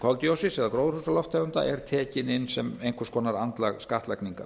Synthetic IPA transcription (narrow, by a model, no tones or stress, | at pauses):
kʰɔlt̪jowsɪsɛɣðakɾoːwðɾhusalɔft̪ʰːajvʏnt̪a̰ʔɛɾ̥t̪ʰɛːcɪnɪnːsɛmejŋkʰḁskʰɔːnaɾant̪laɣskaht̪lajkniŋka̰